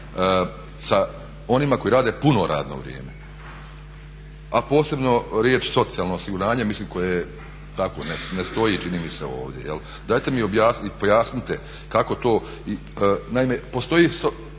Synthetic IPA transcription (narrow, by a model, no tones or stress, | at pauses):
sa | o̞nimako̞jiɾaːd̪epuno̞ɾa̰ːd̪no̰ʋɾj̰eːme | apo̞ːse̞bno̞ɾjeːt͡ʃso̞t̪sialˠnoːsiɡuɾaːɲemisliːmko̞je | t̪ako̰nenest̪o̞it͡ʃinimiseo̞̰ːʋd̪je̞̰jḛl | d̪aːjt̪emio̞bjaːipo̞jaːsnit̪ɛ | kako̞t̪o̞ː | i | naimepo̞st̪o̞iso